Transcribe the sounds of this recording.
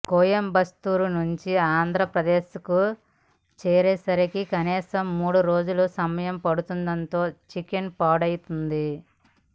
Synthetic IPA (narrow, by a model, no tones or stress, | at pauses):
koːjɐmbɐst̪uːɾunuɲt͡ʃiaːnd̪ʱɾɐpɾɐd̪eːʃku | t͡ʃɛːɾeːsɐɾikikɐniːsɐmːuːɽuɾo̞ːd͡ʒulusɐmɐjɐmpɐɽut̪und̪ɐnt̪o̞ːt͡ʃikenpaːɽɐjit̪und̪i